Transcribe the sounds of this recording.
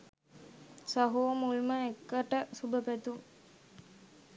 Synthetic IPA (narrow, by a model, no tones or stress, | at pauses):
saɦuːmulməekːəʈəsubəpæt̪um